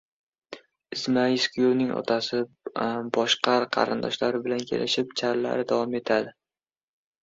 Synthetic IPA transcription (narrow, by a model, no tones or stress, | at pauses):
ɪzmaɪskʲʰʊjownɪŋɒ̰t̪ʰasɪ | bɒʃqʰɑɾqʰɑ̰ɾɪnd̪ɒʃlaɾɪbɪlankʲʰe̞̰lʔɪʃɪp̚t͡ʃʰaɾla̰ɾɪd̪avɒme̞t̪ʰad̪ɪ